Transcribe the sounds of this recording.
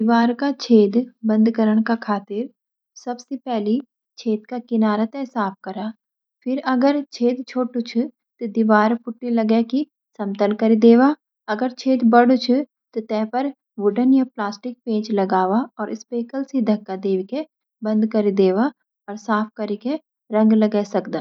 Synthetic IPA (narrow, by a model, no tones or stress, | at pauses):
d̪iʋaːɾkat͡ʃʰeːd̪bɐ̃nd̪kəɾəɽ̃kakʰaːt̪ɪɾ | sɐbsepɛɦli | t͡ʃʰeːt̪kakɪnaːɾat̪ɛ̃saːp̚ʰkɐɾaː | pʰɪɾɐɡəɾt͡ʃʰeːd̪t͡ʃʰoːʈut͡ʃʰu | t̪od̪iʋaːɾpʊʈːilɐɡeki | sɐ̃mt̪əlkɐɾid̪eːʋaː | ɐɡəɾt͡ʃʰeːt̪bɐɽut͡ʃʰu | t̪ot̪ɛ̃ːpɐɾ | ʋʊɖənjaplaːsʈɪk̚pẽːt͡ʃlɐɡaːʋaɔːɾʔɪspeːkəlsid̪ʱɐkːad̪eːʋike | bɐ̃nd̪kɐɾid̪eːʋa | ɔːɾsaːpʰkɐɾike | ɾɐ̃ŋɡlɐɡɛsɐkd̪aː